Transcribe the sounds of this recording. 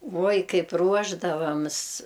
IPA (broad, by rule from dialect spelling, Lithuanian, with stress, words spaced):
ˈʋuɔj ˈkɐɪp ˈruɔʒdɐʋɐms